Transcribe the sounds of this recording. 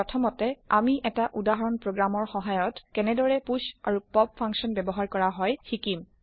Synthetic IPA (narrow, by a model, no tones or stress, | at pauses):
ɔtʰɔmɔtɛa̰miʔɛtaʔudaɦɔɹɔnpɹoɡɹamɔɹxɔɦajɔtkɛnɛdɔɹɛpusa̰ɹupɔb̚fʰaŋksɔnbɛbɔɦaɹkɔɹaɦɔjxikim